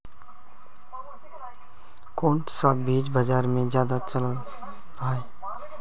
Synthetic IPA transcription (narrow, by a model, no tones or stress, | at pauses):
kõːɳʈsabiːd͡ʒbəd͡ʒaːɾmẽzjaːd̪at͡ʃəl | aːeː